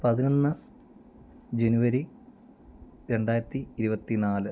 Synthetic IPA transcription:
pɐðino̞nːɨ | d͡ʑe̞nuʋɐɾi | ɾe̞ɳɖaːjɾɐt̪ːiːɾubɐt̪ːinaːlɨ

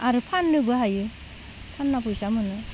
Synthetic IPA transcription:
aɾɯpʰanːɯbɯɦajɯ | pʰanːapʰujsamɯnɯ

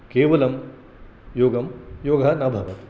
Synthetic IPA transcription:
keːʋɐlɐm | joːɡɐmjoːɡʱɐnɐbʱɐʋɐt̪

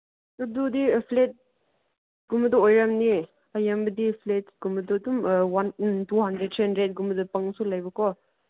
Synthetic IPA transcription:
ɔdudipʰlet̚ | ɡumbɐdɐojɾamni | ɐjambɐdipʰletɡumbɐdɔdumwantuɦandɾet̚tʰandɾet̚ɡumbɐdɐpɐŋsulajbɐkɔ

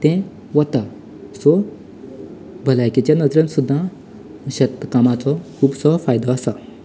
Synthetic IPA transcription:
t̪ɛ̃ | ʋət̪a | sɔ | bʱəlajket͡ɕjanəd͡zɾə̃nsud̪ʱːã | ɕət̪kamat͡sɔkʰuːbsɔfajd̪ʱɔəsa

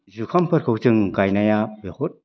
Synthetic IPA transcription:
zukʰampʰɯt̚kʰowtɯŋɡajnajabehut̚

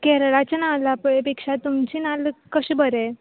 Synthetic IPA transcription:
kɛɾɭat͡ɕanalappekʂat̪umt͡ɕinalkəɕbəɾɛ

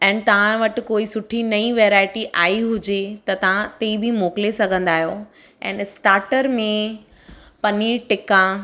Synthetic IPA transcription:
ɛ̃ːnɪ̆t̪ɐʋ̤ãʋɐʈɪ̆koːisʊʈʰinɐĩʋeːɾaːɪʈiʔaːiɦʊd͡ʑet̪ɐt̪ɐʋ̤ãt̪eːibʱimoːkɪlesɐɡʱə̃nd̪aːɦjo | ɛ̰̃ːnsʈaːɾʈəɾmẽ | pɐniʈɪkã

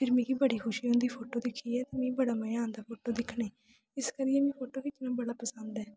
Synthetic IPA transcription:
pʰɪɾmĩːɡiːbəɽiːkʰʊʃiːɦõnd̪iːpʰoːʈoːd̪ɪkʰːiːɛːt̪eːmĩːbəɽaːmə̃ãːnd̪aːpʰoːʈoːd̪ɪkʰɳeː | ɪskəɾɪɛːmĩːpʰoːʈoːkit̪ɪnãːbəɽaːpəsə̃nd̪ɛː

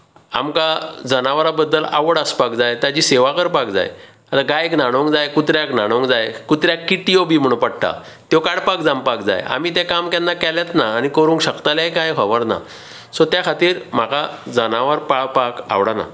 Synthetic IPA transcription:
a̰mkad͡zənaʋəɾabəd̪ːəla̰ʋəɽəspakd͡zajt̪jad͡ʑiːseʋakəɾpakd͡za̰jḛ | at̪aɡajeknaɽ̃oŋkd͡zajkut̪ɾjaknaɽ̃õŋkd͡zajkut̪ɾjakːiʈijobiːm̤əɽ̃ũpəɽʈ̪a̰ | t̪jokaɽpak̚d͡zãmpakd͡za̰ja̰miːt̪̬ekamkanːakɛljat̪naːñikəɾuːŋkɕəkt̪aljajkãjkʰɔʋəɾna̰ | sot̪jakʰat̪iːɾm̤akad͡zənaʋəɾpapaka̰ʋɽana̰

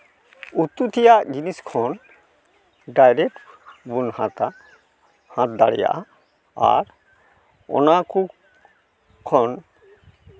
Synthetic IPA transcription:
ut̪ːut̪ʰijad͡ʑiniskʰɔn | ɖajɾeʈbunhat̪a | hãt̪̚d̪aɽḭja̰ʔ | a̰ɾ | ɔ̰naku | kʰːɔn

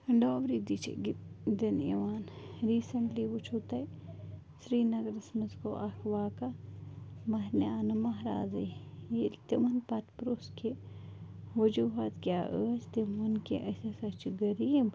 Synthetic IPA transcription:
ɖoːʋɾid̪it͡ʃḛɡd̪ɐnḛʋaːnɾiːsɐɳʈliʋut͡ʃʰut̪ɐj | sɾiːnɐɡɾɐsmɐzkoʔɐkʰʋaːka | mɐɦnaːnɐmɐɦɾa̰ːzijelt̪imɐnpɐt̪pɾoːske | ʋɐd͡ʒuːɦat̪kjaːʔəːt͡ʃt̪imɐnkeʔɐsesɐt͡ʃɡɐɾiːb

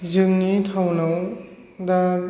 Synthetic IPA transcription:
zɯŋnitʰawnaw | da

